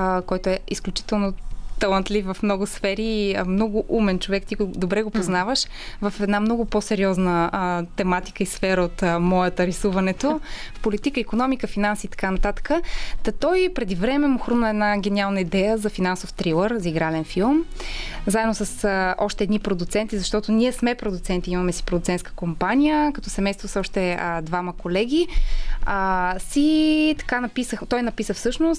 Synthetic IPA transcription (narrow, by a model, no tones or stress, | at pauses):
kɔjt̪oɛisklʲut͡ʃi̥t̪ɛlˠnot̪ɐlˠɐnt̪lʲifvɐfmnɔɡʊsfɛɾimnɔɡʊʔumɛnt͡ʃovɛkt̪iɡd̪obɾɛɡopoznavəʃ | vɐfɛd̪namnɔɡʊposɛɾiɔznət̪ɛmat̪i̥kəisfɛɾəot̪mɔjət̪əɾisuvɐnɛt̪ofpolit̪ikəikonɔmikəfinansiːt̪ɐ̥kanɐt̪at̪ə̥kət̪ɐt̪ɔjpɾɛd̪ivɾɛmɛmʊxɾumnəɛd̪naɡɛnʲialˠnəid̪ɛjəzɐfinansoft̪ɾilˠəɾziɡɾalɛnfilˠmzaɛd̪nosəsɔʃt̪ɛːd̪nipɾod̪ut̪sɛnt̪izɐʃt̪ɔt̪ʊnʲiɛsmɛpɾod̪ut̪sɛnt̪iimɐmɛsi̥pɾod̪ut̪ɛnt̪skə̥kompanʲijəkɐt̪ɔsɛmɛjst̪voosɔʃt̪ɛəd̪vaməkolɛɡ̟ʲi | əsit̪ɐ̥kanɐpisəxt̪ɔjnɐpisəfsɤʃnʊst̪